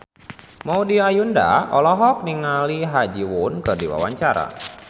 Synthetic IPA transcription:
maudiajunda̰ɔlɔɦɔk̚niŋaliɦad͡ʒiwunkɨrdiwa̰waɲt͡ʃaɾa̰

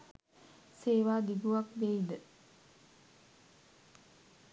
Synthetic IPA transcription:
seːʋaːd̪iɡuʋakbeid̪ə

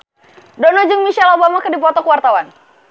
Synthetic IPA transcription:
dɔnɔd͡ʒɨŋmiʃalobamakɨdip̬ɔt̪ɔkəwart̪awan

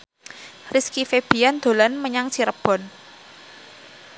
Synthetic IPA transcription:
riskifeb̥i̤jand̪̥o̤lanməɲaŋt͡ʃiɾəb̥ɔ̤n

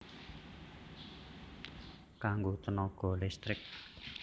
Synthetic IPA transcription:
kaŋɡot̪ənɔɡ̥ɔ̤lɛst̪ɾɪk̚

